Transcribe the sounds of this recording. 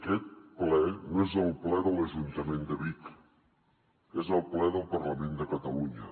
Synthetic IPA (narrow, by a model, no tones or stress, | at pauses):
kɛt̪̚plɛnoezəlˠplɛðələʒunt̪əmend̪əβik | ezəlˠplɛðəlˠpəɾləmend̪əkət̪əluɲə